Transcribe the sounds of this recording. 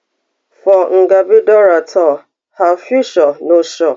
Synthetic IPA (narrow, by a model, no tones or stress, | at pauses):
fɔŋ̩ɡabidɔɾatʰɔ | hafiʃɔnoʃɔ